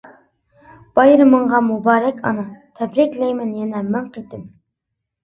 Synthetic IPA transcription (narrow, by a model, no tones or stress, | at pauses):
b̥ɑjɾɨməɴʁɑmubɑːɾɛkʲʰɑ̰nɑt̪ʰɛbɾɪkʲlɛjmɛnjɛnɛmɛŋqet̪ɪm